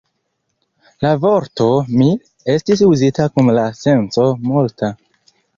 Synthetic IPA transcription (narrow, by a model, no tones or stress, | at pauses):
lavo̞ɾto̞mi | e̞stis̬uzitakunlase̞nt͡so̞multa